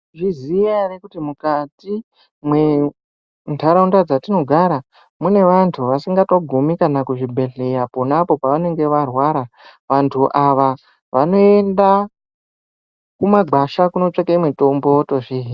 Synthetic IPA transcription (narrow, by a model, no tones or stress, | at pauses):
ʐizijarekutimukati | mwe | ndʰaɾaundad͡zatino̞ɡʱaɾa | mune̞ʋantʰuʋasiŋɡatoɡʱumikanakuʐibʱe̞ɮe̞japonapo̞paʋane̞ŋɡe̞ʋarwaɾa | ʋantʰuʔaʋa | ʋano̞e̞nda | kumaɡ͡bʱaʃakuno̞t͡ʂekeimweto̞mboto̞ʐiːɦi